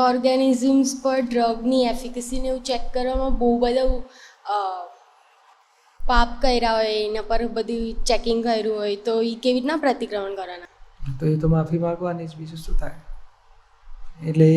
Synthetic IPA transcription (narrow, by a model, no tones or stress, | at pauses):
ɔɾɡanizəmzpəɾɖɾəɡniefikəsineeũt͡ʃɛkːəɾʋamãbɔubəd̪ʱa | papkəjɾaɦojenapəɾbəd̪ʱit͡ʃɛkɪŋɡkəjɾũɦojt̪oikeʋiʈnapɾət̪ikɾəməɳkəɾanat̪oet̪omafʰimaɾkoaned͡ʒbʱisust̪ut̪ae | eʈle